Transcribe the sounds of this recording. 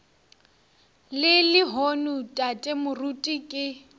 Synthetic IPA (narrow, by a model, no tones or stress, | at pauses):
lɪlɪɦonutʼatʼɛmʊrutʼikʼɪ